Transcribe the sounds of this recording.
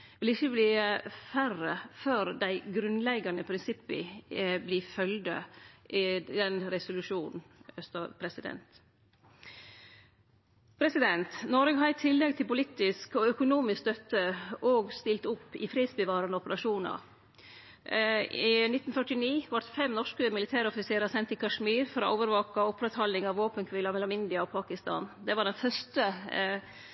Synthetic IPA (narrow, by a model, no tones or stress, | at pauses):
ʋɪlɪçːəbliːəfærəføːɾd̪æɪɡɾʉnlɛɡɑnəpʰɾɪnsɪpːɪ̰bliːfœld̪ə̰ʔɪd̪ɛnɾɛsʊlʉʃuːnn̩œst̪əpʰɾɛsɪd̪ɛ̰nt̪ | pʰɾɛsɪd̪ɛnt̪nɔɾɡɦɑɾɪt̪ʰɪlːɛɡ̚t̪ʰɪlpʊlɪt̪ɪskɔœkʊnuːmɪssd̪œt̪ːəʔɔːɡst̪ɪlt̪ʊpːɪ̰fɾiːd̪sbəʋɑːɾənəɔpəɾɑʂuːnɑ̰ɾ | inɪt̪nfœʈɪniːʋɑt̪fɛmnɔʂkəmɪlɪt̪ʰæːɾɔfɪseːɾəsɛnt̪ɪkʰɑʂmiːɾfɔɾɔ̰ʔoːʋəɾʋɑːkɑɔpːɾɛt̪hɑlːɪŋɑʋːoːpənkʰʋɪlɑmɛlːɔmɪnd̪ɪɑɔpʰɑːkɪst̪ɑ̰ːnd̪ɛʋɑɖɛnfœʂt̪ə